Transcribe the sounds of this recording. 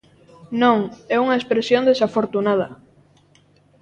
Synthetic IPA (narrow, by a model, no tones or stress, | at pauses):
nõŋɛuŋɐespɾesjõnd̪esafoɾt̪unað̞ɐ